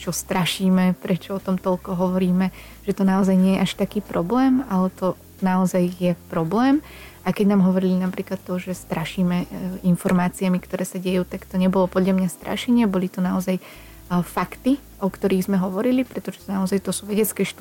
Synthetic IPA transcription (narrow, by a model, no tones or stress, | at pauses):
t͡ʃɔst̪ɾaʃiːmɛpɾɛt͡ʃɔɔt̪ɔmt̪ɔlkɔɦɔʋɔɾiːmɛ | ʒ̥ɛt̪ɔnaɔzajɲɪɛjɛʔaʃt̪akiːpɾɔblɛːmalɛt̪ɔ | naɔzajjɛpɾɔblɛːm | akɛɟnaːmɦɔʋɔɾilinapɾiːklat̪ːɔʒɛst̪ɾaʃiːmɛinfɔɾmaːt͡siamikt̪ɔɾɛːsaɟɛjuːt̪akt̪ɔɲɛbɔlɔpɔd̪ʎamɲast̪ɾʔa̰ʃɛɲɪɛbɔlit̪ɔnaɔzaj | fakt̪i | ʔɔkt̪ɔɾiːɣzmɛɦɔʋɔɾilipɾɛt̪ɔʒɛt̪naɔzajt̪ɔsuːʋɛɟɛt͡skɛːʃt̪